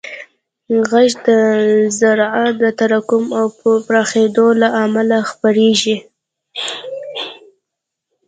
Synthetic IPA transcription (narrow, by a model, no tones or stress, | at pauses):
ɣaʒd̪əzaɾad̪ət̪aɾakʊmawppɾɑxed̪olaʔamalaxpaɾeʒi